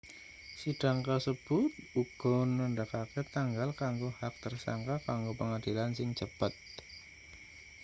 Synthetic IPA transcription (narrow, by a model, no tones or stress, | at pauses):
sid̥aŋkasəb̥ʊt̪̚uɡ̥ɔnːəndakaket̪aŋɡalkaŋɡohak̚t̪ərsa̰ŋkakaŋɡopəŋadilansɪŋt͡ʃəpət̪̚